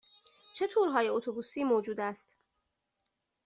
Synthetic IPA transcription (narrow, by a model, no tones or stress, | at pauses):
t͡ʃʰe̞t̪ʰuːɾɦɒːjeot̪ʰobuːsiːmoːd͡ʒuːd̪æst̪